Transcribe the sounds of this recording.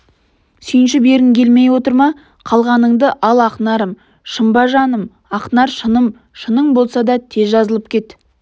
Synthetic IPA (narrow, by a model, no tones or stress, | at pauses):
sʏjɪnʃɪbe̞ɾɪŋkʲʰe̞lme̞jwo̞t̪əɾmɑ | qʰɑlˠʁɑnəɴd̪əʔɑlˠɑqnɑɾəm | ʃəmbɑʒɑnəm | ɑqnɑɾʃənəm | ʃənəɴbo̞lˠsɑd̪ɑt̪ʰe̞zʒɑzəlˠəpkʲʰe̞t̪